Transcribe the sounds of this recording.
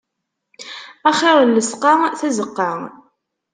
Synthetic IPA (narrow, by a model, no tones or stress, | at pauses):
æχɪɾˤlːəsqɑθæzəqːɑ